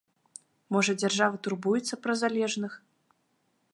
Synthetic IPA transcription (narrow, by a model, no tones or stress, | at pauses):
mɔʐɐd͡zʲarʐavɐt̪urbujɛt̪sːɐpɾɐzalʲɛʐnɨx